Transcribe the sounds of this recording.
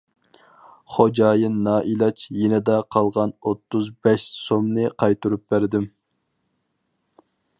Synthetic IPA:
χod͡ʒɑːjɨnːɑːʔilˠɑt͡ʃʰjenɪd̪ɛqʰɑlˠʁɑnot̪ːuzbɛʃsomnɨqʰɑjt̪uɾup̚bæɾd̪ɪm

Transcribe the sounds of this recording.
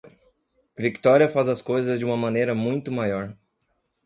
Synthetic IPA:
vikt̪ɔɾiɐfazɐskojzɐzd͡ʒɪũmɐmɐ̃nejɾɐmũj̃t̪ʊmajɔɾ

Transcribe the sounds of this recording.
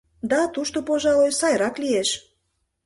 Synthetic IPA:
d̪ɑt̪uʃt̪opoʒɑojsɑjɾɑklieʃ

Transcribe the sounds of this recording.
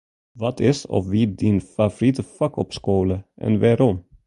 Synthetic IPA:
vɑt̪ʰɪsɔ̰fʋiːb̚d̪infɑfɔɾɪt̪əfɑkɔpskoːləʔɛ̰nʋɛɾɔm

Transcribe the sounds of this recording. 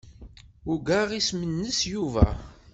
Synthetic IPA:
ʊɡaʁismənːəsjuvæ̰

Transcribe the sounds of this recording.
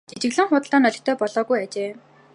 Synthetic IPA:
t͡ɕet͡ɕɪ̆ɣɮɘ̆ŋχʊːt̪̆ɮɔːnœɮʲɪ̆xt̪ʰœːpɔɮɔːɣujat͡ɕeː

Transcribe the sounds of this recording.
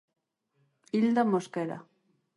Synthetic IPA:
ild̪amoskeɾa̰

